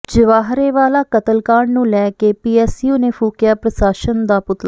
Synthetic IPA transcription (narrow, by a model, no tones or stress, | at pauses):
d͡ʒəʋaːɦɾeːʋaːlaːkət̪əlkaːɳnũːlɛːkeːpiːɛːsjuːneːpʰuːkɪjaːpɾəsaːʃənd̪aːpʊt̪la